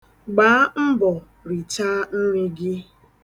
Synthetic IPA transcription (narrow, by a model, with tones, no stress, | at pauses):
ɡ͡baː˨˦m̩˦bɔ˨ | ɾi˨t͡ʃa˦n̩˦ɾɪ˦ɡɪ˦